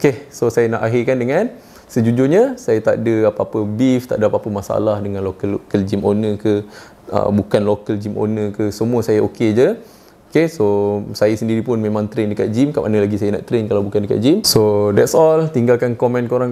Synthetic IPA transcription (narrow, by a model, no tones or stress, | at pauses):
okesosajanaʔaɦikandəŋãn | səd͡ʒud͡ʒʊɲəsajat̪aʔdəapapəbift̪aʔdəapapəmasaa̰lahdəŋãnlokəlkəld͡ʒimʔonəkə | ə̰bukanlokəld͡ʒimo̰nəkəsəmũəsajaʔoked͡ʒə | okesosajasəndiɾipʊnmemãŋt̪ɾendəkat̪̚d͡ʒimkaʔanəlaɡisajana̰ʔt̪ɾenkalawbukandəka̰t̪̚d͡ʒimsodɛtsɔlt̪iŋɡalkankomɛ̃nkoɾaŋ